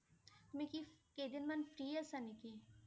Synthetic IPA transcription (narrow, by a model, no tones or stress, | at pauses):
mikikeːd̪ɪnmɐnfɾiːɐsɐniki